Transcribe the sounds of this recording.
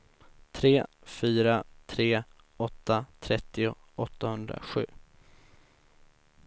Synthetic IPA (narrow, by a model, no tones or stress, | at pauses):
t̪ʰɾeːfyːɾat̪ʰɾeː | ɔt̪ːat̪ʰɾɛt̪ːɪʊ | ɔt̪ːahɵnd̪ɾa̰ɧʉ̟ː